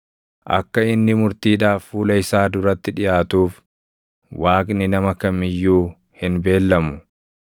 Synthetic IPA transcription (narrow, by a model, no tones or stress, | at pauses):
ʔɐ̰kːɐɪnːɪmʊɾt̪iːᶑaːfːuːlɐɪsaːd̪ʊɾɐt̪ːɪᶑɪjaːt̪uːf | wʔaːkʼnɪnɐmɐkɐmɪjːuː | hɪnbe̞ːlːɐmʊ